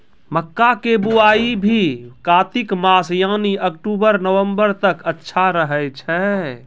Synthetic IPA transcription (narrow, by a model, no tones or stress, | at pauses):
məkːakebuaːibʱikaːt̪ikmasjaːniʔəkʈubəɾnəwəmbəɾt̪əkətːʃʰaɾəɦəjt͡ʃʰɛ